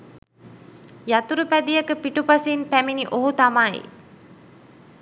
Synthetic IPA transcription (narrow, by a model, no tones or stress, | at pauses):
jat̪uɾupæd̪ijəkəpiʈupasinpæminiʔoɦut̪amaj̰